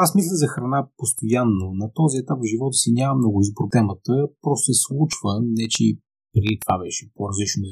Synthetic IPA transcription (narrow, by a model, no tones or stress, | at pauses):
asmislʲəzɐxɾɐnapost̪ojanːonɐt̪ɔziɛt̪apvʒivɔt̪ə̥sinʲamɐmnɔɡʊizbɾob̪ɛmət̪əpɾɔst̪ɛslˠut͡ʃvənɛt͡ʃɛ | pɾiit̪va̰bɛʃɛ̥poɾɐzlit͡ʃnʊ